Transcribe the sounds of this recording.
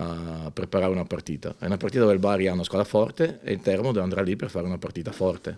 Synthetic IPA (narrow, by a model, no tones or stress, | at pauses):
apɾepaɾaːɾeunapart̪iːt̪a̰ɛunapaɾrt̪it̪ad̪ovelbaɾjaunaskwad̪ɾafɔrt̪eḛilt̪ɛrmod̪oveand̪ɾaliperfaːɾeunapart̪iːt̪afɔrt̪e